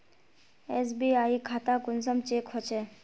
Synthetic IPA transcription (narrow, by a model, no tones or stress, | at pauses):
ɛsbiaikʰat̪akunsamt͡ɕekʰot͡ɕe